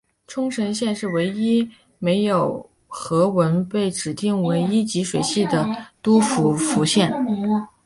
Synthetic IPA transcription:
ʈ͡ʂʰʊ˥ŋʈ͡ʂʰə˧˥nɕjɛ˥˧nʂɻ̩˥˩we˧˥ɪi˥ | me˧˥ɪjo˨˩ʊ | xɤ˧˥wə˧˥npe˥˩ɪʈ͡ʂɻ̩˨˩t̪i˥˩ŋwe˧˥ɪi˥t͡ɕi˧˥ʂwe˨˩ɪɕi˥˩d̪ə˩t̪u˥fu˧˥fu˧˥ɕjɛ˥˩n

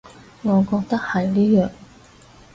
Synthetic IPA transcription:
ŋɔː˨˧kɔː˧k̚t̪ɐ˥k̚hɐ˨jliː˥jœː˨˩ŋ

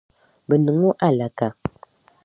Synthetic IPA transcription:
bə˨nə˨ŋu˦ʔa˦˨la˨ka˨

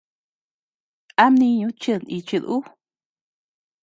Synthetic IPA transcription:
a˦mnĩ˧ɲũ˧˦t͡ʃɨ˧˨ni˧t͡ʃɨ˧ðu˦

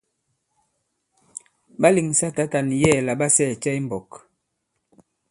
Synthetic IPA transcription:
ba˦li˨ŋ˨sa˦ta˦ta˨n˨jɛ˦˨la˨ba˦sɛ˦˨t͡ʃɛ˦i˦m̩˦bɔ˨k

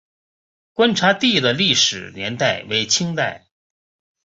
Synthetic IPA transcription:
kwa˥nʈ͡ʂʰa˧˥t̪i˥˩d̪ə˨li˥˩ʂɻ̩˨˩njɛ˧˥nt̪a˥˩ɪwe˧˥ɪt͡ɕʰi˥ŋt̪a˥˩ɪ

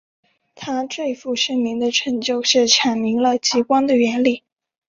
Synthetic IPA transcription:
t̪ʰa˥t͡swe˥˧ɪfu˥˩ʂə˥ŋmi˧˥ŋd̪ə˧ʈ͡ʂʰɤ˧˥ŋt͡ɕjo˥˧ʊʂɻ̩˥˩ʈ͡ʂʰɑ˨˩ŋmi˧˥ŋlə˧t͡ɕi˧˥kwɑ˥ŋd̪ə˨ɥɛ˧˥nli˥˩

